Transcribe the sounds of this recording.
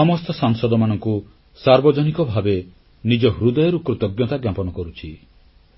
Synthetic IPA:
ɔmɔst̪ɔsaŋsɔd̪ɔmanɔŋku | saɾbɔd͡ʒɔnikɔbʱabe | nid͡ʒɔɦɾud̪ɔjɔɾukɾut̪ɔɡjɔt̪aɡjapɔnɔkɔɾut͡ʃʰi

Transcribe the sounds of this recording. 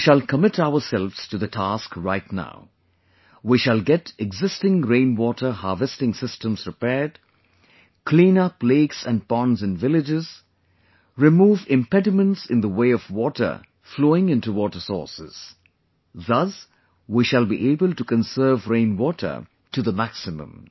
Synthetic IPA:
ʃəlkəmɪtaʊəsɛlvz̥tuðətʰaskɹaɪtna̰ʊ | wiʃəlˠɡɛtɛɡzɪstɪ̃ŋɹẽɪ̃nwɔtʰə˞hɑːvɛstɪ̃ŋsɪstə̃mz̥ɹɨpɛd | kʰlĩnʌpleɪksæ̃npɔ̃nzɨ̃nvɪlɪd͡ʒɪz̥ | ɹɪmuːvɪ̃mpɛdɪmə̃ntsɪ̃nðəweɪɔvwɔtə̰˞ | floːɪ̃ŋɪ̃ntuwɔːtə˞sɔ̰ːɹsɪ̰z̥ | ðʌs | wiʃəlˠbiʔeɪbəlˠtukə̃nsɜːvɹẽɪ̃nwɔtʰə̰˞ | tɨðəmæksɪmə̰̃m

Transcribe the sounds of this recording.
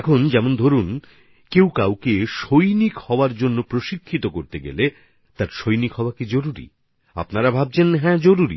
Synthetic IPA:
ɛkʰond͡ʑɛmond̪ʱoɾun | kewkawkeʃojnikhɔoaɾd͡ʑonːopɾoʃikʰːit̪okoɾt̪eɡḛle | t̪aɾʃojnikɦɔoakid͡ʑoɾuɾḭ | a̰pnaɾabʱab̚t͡ɕʰenɦɛ̃d͡ʑoɾuɾḭ

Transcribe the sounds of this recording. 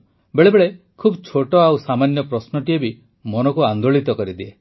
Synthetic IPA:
beɭebeɭe | kʰubt͡ʃʰoʈɔawsamanjɔpɾɔsnɔʈiebi | mɔnɔkuand̪oɭit̪ɔkɔɾid̪ie

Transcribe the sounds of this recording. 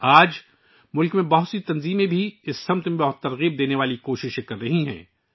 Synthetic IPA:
aːd͡ʒ | mʊlkmẽbɐɦʊt̪sit̪ɐnziːmẽbʱiɪsːɐmt̪mẽbɐɦʊt̪ːɐɾɣiːb̚d̪eːneʋaːlikoːʃɪʃekɐɾːɐɦiɦɛ̰̃ː

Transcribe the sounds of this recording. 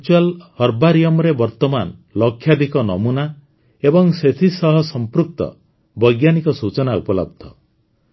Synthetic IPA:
t͡ʃualhɔɾbaɾijɔmɾebɔɾt̪ɔmanlɔkʰːjad̪ikɔnɔmuna | ebɔŋset̪ʰisɔɦɔsɔmpɾuk̚t̪ɔ̰ | bɔjɡjanikɔsut͡ʃɔnaṵpɔlɔ̰b̚d̪ʱɔ

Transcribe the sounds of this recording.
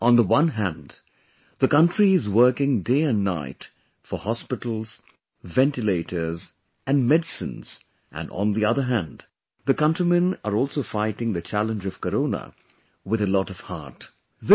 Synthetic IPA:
ʔə̃nðəwʌ̃nɦæ̃n | ðəkʌ̃ntɹ̥iɪzwɜ˞kɪ̃ŋdeɪɨ̃nːa̰ɪt | fə˞hɑspɪɾl̩ˠz̥ | vɛ̃ntɨleɪɾə˞z | ɨ̃nmɛdɨsɨ̰̃nz̥ | ʔɨ̰̃nə̰̃nðiʌðə˞ɦæ̃nd | ðɨkʌ̃ntɹ̥imɨ̃nəɹɔlˠsoʊfaɪɾɪ̃ŋðɨt͡ʃʰælˠə̃nd͡ʒʌv̥kəɾõʊnə̰ | wɨðɨlɔɾʌv̥hɑ̰ɹt | ð

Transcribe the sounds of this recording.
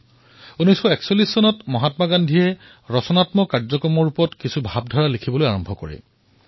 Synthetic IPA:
unɔjsxɔɛksolisːɔnɔtmɔɦatmaɡandʱiɛ | ɹɔsɔnatmɔkaɹzɔkɹɔmɔɹupɔtkisubʱab̚dʱɔɹalikʰibɔlojaɹɔmbʱɔkɔ̰ɹɛ̰

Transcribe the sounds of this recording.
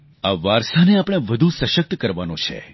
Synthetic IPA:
aʋaɾsaneapɽ̃eʋəd̪ʱusəʃək̚t̪kəɾʋanõt͡ʃʰḛ

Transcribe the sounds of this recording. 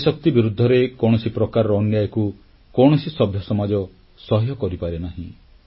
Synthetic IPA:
sɔk̚t̪ibiɾud̪ʱːɔɾekɔɽ̃ɔsipɾɔkaɾɔɾɔːnjajɔku | kɔɽ̃ɔsisɔbʱjɔsɔmad͡ʒɔ | sɔɦjɔkɔɾipaɾenaɦĩ

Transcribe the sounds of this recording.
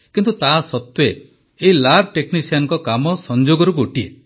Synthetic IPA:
kint̪ut̪aɦsɔt̪we | eilab̚ʱʈeknisianŋkɔkamɔsɔnd͡ʒoɡɔɾuɡoʈie

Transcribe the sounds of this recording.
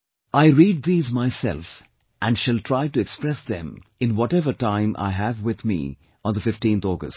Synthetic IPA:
aɪɾiːɖ̚d̪iːzmaɪsɛ̰lf | ʔæ̃nɖʃælʈʰɾaɪʈuɛkspɾɛsd̪ɛ̰̃mɪ̃nwɔʈɛvəʈãɪ̃mʔa̰ɪɦævwɪd̪mḭː | ɔ̃ːnd̪əfɪfʈĩnt̪ɔːɡə̰sʈ

